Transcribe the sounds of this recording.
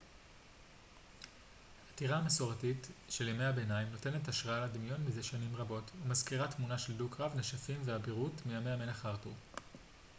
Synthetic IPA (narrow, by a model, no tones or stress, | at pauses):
hatiʁaːmesoʁatitʃe̞ljimejabe̞naimno̞te̞ne̞taʃʁaaladimjo̞nmizeʃanimʁabo̞tumazkiʁatmunaʃe̞ldukʁavneʃafimveabiʁutmijamejamenaχaʁtuʁ